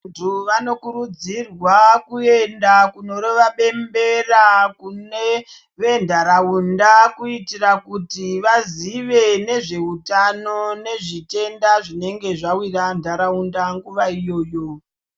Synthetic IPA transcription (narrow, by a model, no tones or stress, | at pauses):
ntʰuʋano̞kuɾud͡zirwakue̞ndakuno̞ɾoʋaɓe̞mbe̞rakune | ʋe̞ndʱaɾaundakuitirakutiʋaziʋe̞ne̞ʐe̞utano̞ne̞ʐite̞ndaʐine̞ŋɡe̞ʐawirandʱaɾaundaŋɡuʋaijo̞ːjo